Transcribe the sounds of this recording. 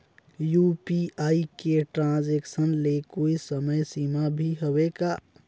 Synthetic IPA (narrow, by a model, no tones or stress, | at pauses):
juːpiaːikeʈɾãːzeːksənlekoːisəməjsiːmabʱiɦoʋeɡa